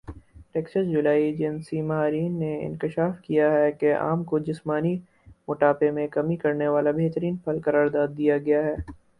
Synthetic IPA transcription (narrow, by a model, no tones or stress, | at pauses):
ʈɛːksəsd͡ʒʊlaːid͡ʒɪnsimɐɦaːɾiːnːeɪ̰̃nkɪʃaːfkijaɦɛkeʔa̰ːmkod͡ʒɪsmaːni | mʊʈaːpemẽkɐmikɐɾneʋaːlabeɦt̪əɾiːnpʰɐlkɐɾaːɾd̪aːd̪̚ːijaɡɐjaɦɛː